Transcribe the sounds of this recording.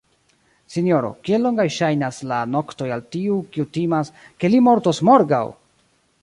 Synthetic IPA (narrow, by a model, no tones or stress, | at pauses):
sinio̞ɾo̞̰kielːo̞ŋɡajʃajnaslano̞kto̞jaltiukiutimaske̞limo̞ɾto̞smo̞ɾɡa̰w